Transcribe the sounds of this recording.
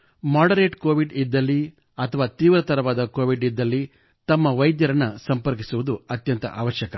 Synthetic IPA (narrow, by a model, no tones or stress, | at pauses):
maːɖɐɾeːʈkoːʋiɖid̪ːɐlːi | ɐt̪ʰɐʋaːt̪iːʋɾɐt̪ɐɾɐʋaːd̪ɐkoːʋiɖid̪ːɐlːi | t̪ɐmːɐʋɐjd̪jɐɾɐnːɐsɐmpɐɾk̬isuʋud̪uɐt̪jɐnt̪ɐʔaːʋɐʃjɐkɐ